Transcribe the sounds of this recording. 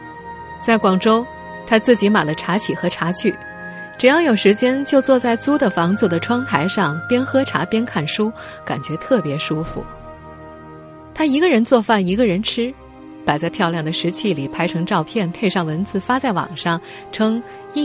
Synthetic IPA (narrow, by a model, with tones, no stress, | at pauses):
t͡sa˥˩ɪkwɑ˨˩ŋʈ͡ʂo˥ʊ | t̪ʰa˥t͡sɹ̩˥˩t͡ɕi˧˥ma˨˩ɪlə˦ʈ͡ʂʰa˧˥t͡ɕʰi˨˩xɤ˧˥ʈ͡ʂʰa˧˥t͡ɕʰy˥˩ | ʈ͡ʂɻ̩˨˩jɑ˥˩ŋjo˨˩ʊʂɻ̩˧˥t͡ɕjɛ˥nt͡ɕjo˥˧ʊt͡swɔ˥˧t͡sa˥˩ɪt͡su˥d̪ə˨fɑ˧˥ŋt͡s̩˥˧˩d̪ə˩ʈ͡ʂʰwɑ˥ŋt̪ʰa˧˥ɪʂɑ˥˩ŋpjɛ˥nxɤ˥ʈ͡ʂʰa̰˧˥pjɛ˥nkʰa˥˩nʂu˥ka̰˨˩nt͡ɕɥɛ˧˥t̪ʰɤ˥˩pjɛ˧˥ʂu˥fṵ˨˩ | t̪ʰa˥i˧˥ɡə˧ɻə˧˥nt͡swɔ˥˧fa˥˩ni˧˥ɡə˧ɻə˧˥nʈ͡ʂʰɻ̩˥ | pa˨˩ɪt͡sa˥˧ɪpʰjɑ˥˧ʊljɑ˥˩ŋd̪ə˩ʂɻ̩˧˥t͡ɕʰi˥˩li˨˩pʰa˧˥ɪʈ͡ʂʰɤ˧˥ŋʈ͡ʂɑ˥˧ʊpʰjɛ˥˩npʰe˥˧ɪʂɑ˥˩ŋwə˧˥nt͡sɹ̩˥˧˩fa˥t͡sa˥˩ɪwɑ̰˨˩ŋʂɑ˥˩ŋ | ʈ͡ʂʰɤ˥ŋ | i˥˧